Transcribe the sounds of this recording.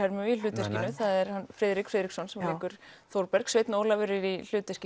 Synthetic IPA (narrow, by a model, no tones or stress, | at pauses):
ɛɾmʏilʏːt̪ɛr̥cɪnʏθaðɛɾ̥hanfɾɛːðɾikfɾɛːðɾiksɔnsɛmɛɾlikʏɾ̥θowɾpɛɾ̥ksvejt̪noːwlavɛɾɪɾil̥ʏːt̪ɛsc